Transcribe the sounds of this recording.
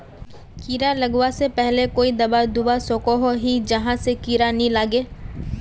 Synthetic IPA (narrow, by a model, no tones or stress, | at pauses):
kiːɾalɐɡwasepɛɦlekoːid̪ɐbad̪ʊbasoːkoɦoɦid͡ʒɐɦãsekiːɾanĩlaːɡeː